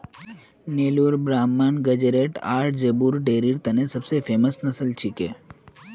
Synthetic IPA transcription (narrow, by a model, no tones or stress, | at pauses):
neluɾbɾamːanɡəd͡ʒəɾeʈa̰ɾʈd͡ʒebuɾɖeɾiɾt̪ənesəbsefeməsnəsəlt͡ʃʰikḛ